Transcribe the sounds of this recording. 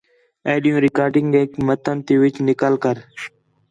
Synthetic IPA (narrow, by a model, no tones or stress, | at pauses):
eːɗijũːɾɪkaːɾɖɪŋɡekmət̪ʰənt̪eːʋɪt͡ʃnɪkaːlkəɾ